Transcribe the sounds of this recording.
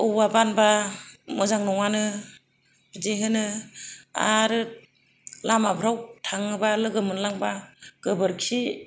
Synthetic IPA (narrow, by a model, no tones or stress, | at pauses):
ɯwabanbamɯzaŋnɔŋanɯ | bzeɦɯnɯ | a̰ɾɯ | lamabʰʱɾawtʰaŋɯbalɯɡɯmɯnlaŋbaɡ̥ɯbɯɾkʰi